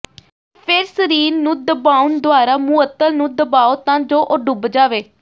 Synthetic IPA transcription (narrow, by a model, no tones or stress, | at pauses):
pʰɪɾsəɾiːnːũːd̪əbaːund̪oaːɾaːmuːət̪ːəlnũːd̪əbaːoːt̪ãːd͡ʒoːʔoɖʊbd͡ʒaːʋeː